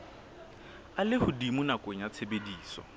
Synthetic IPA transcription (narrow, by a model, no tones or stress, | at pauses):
alɪhʊdimunakʼoɲat͡sʰebediːsɔ̰